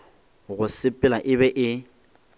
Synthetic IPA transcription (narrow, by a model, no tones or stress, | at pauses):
ɣʊsɪpʼɪlaʔɪβɛʔɪ